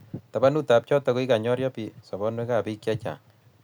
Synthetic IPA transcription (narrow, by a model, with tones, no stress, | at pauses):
ta˨ba˦nu˦ta˨p̚t͡ʃɔ˦tɔ˨ko˦i˦ka˨ɲɔ˦ɾjɔ˦pi˨sɔ˨bɔ˦nwe˦ka˨pi˦kja˦t͡ʃa̰˨